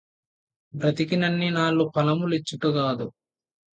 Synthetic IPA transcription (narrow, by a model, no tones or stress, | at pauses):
bɾɐt̪ikinɐnːinaːɭːupɐlɐmulit͡ʃːuʈuɡaːd̪u